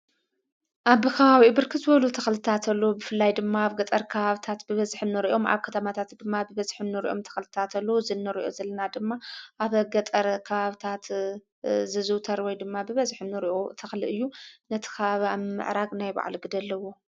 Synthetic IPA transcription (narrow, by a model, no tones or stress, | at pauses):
ʔaβɨkʰɐβaβibɨɾkʰɨzɨβɐlut̪ʰɐxlɨt̪ʰat̪ʰɐlːobɨfɨlːajd̪ɨmːaaβɡɐt̪ʼɐɾkʰɐβaβɨt̪ʰat̪bɨβɐzħɨnːɨɾiʔo̞mʔa̰βkʰɐt̪ʰɐmat̪ʰat̪d̪ɨmːabɨβɐzħɨmnɨɾḭʔo̞̰mt̪ʰɐ̥xlɨt̪ʰat̪ʰɐlːɐwuzɨnːɨɾʔo̞̰zɐlːɐnad̪ɨmːaʔaβɡɐt̪ʼɐɾkʰɐβaβt̪ʰat̪ | zɨzɨwt̪ʰɐɾwɔjd̪ɨmːabɨβɐzħɨnːɨɾiʔot̪ʰɐxlɨʔɨjːunɐt̪ʰɨ̥kʰɐβaβiaβmɨ̰ʕɾaɡnajba̰ʕ̰lɡɨd̪ɐlːɐwo̞